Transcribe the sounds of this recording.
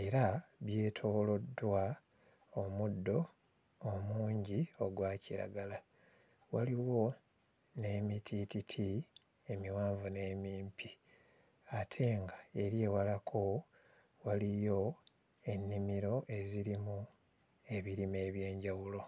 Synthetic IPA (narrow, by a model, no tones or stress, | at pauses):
e̞ɾaβje̞ːtʰo̞ːlo̞dːwa | omudːo̞ː | muːɲɟio̞ɡwaːciɾa̰ɡala | waliwo̞ | ne̞ːmitʰititʰi | e̞miwaːɱvune̞ːmiːmpʰi | atʰe̞ŋɡae̞ɾje̞walakʰo̞ | walijo̞ | e̞nːimiɾo̞ʔe̞ziɾimu | e̞βiɾime̞ːβje̞ːɲɟawulo̞